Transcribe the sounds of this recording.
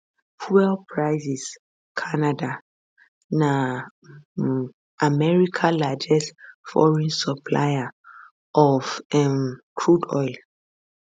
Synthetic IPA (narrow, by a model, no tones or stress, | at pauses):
pʰuɛlpʰɹaɪzis | kʰanada | na | ʔamɛɹikʰalad͡ʒɛstfɔ̰ɹɛ̃nsɔpʰla̰ja | ʔɔfɛmkʰɹudɔ̰jl